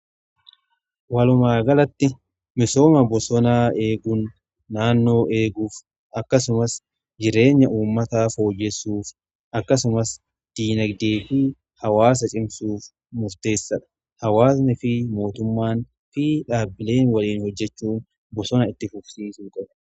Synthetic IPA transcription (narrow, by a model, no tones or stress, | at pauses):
wɐlʊmaːɡɐlɐt̪ːɪ | mɪso̞ːmɐbɔsɔnaːe̞ːɡʊnː | aːnːo̞ːʔe̞ːɡuːf | ɐkːɐsʊmɐs | d͡ʒɪɾe̞ːɲːɐʔuːmːɐt̪aːfo̞ːjːɛsːuːf | ʔɐkːɐsʊmɐs | d̪̥iːnɐɡd̪e̞ːfɪ | hɐwaːs̬ɐt͡ʃʼɪmsuːf | mʊɾt̪e̞ːsːɐᶑɐ̥ | hɐwaːsnɪfɪmo̞ːt̪ʊmːaːn | fɪᶑaːbːɪle̞ːnwɐliːnhɔd͡ʒːɛt͡ʃːuːn | bɔsɔnɐɪt̪ːɪfʊksiːsuːkʼɐbɐ